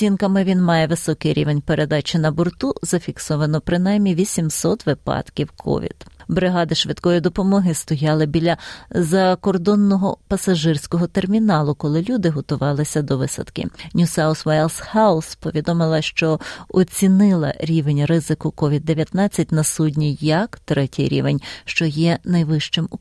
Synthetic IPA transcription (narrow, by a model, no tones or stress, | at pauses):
sʲinkɐmɪʋʲinmɑjɛʋɪsɔkɪjɾʲḭʋenʲpeɾʔed̪ɑt͡ʃɪnɐbɔrt̪uzɐfʲiksɔʋɐnɔpɾɪn̪ɑjmʲiʋʲisʲimsɔt̪ʋɪpɑ̰d̪̥kʲiwkʰɔ̰ʋʲḭd̪bɾɪɦɑd̪ɪʃʋɪt̪kɔjid̪ɔpɔmɔɦɪst̪ɔjɑlˠɪbʲilʲɐzɐkɔrd̪ɔnːɔɦɔpɐsɐʒɪrsʲkɔɦɔt̪ermʲinɑlˠʊkɔlˠɪlʲud̪ɪɦɔt̪ʊʋɑlˠɪsʲɐd̪ɔʋɪsɐ̰t̪kɪ̰nʲusɑʊsʋajlˠshɑʊspɔʋʲid̪ɔmɪlˠɐʃt͡ʃɔɔt͡sʲinɪlˠɐ̰ɾʲiʋenʲɾɪzɪkʊkɔʋʲid̪ːeʋʲjɐt̪nɑt͡sʲːɐt̚ʲnɐsudʲnʲijɐkt̪ɾɛtʲijɾʲḭʋenʲʃt͡ʃɔjɛnɐjʋɪʃt͡ʃɪm